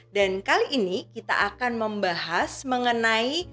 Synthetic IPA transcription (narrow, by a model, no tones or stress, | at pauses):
dankaliʔːnikit̪a̰ʔakanməmbaɦasməŋənai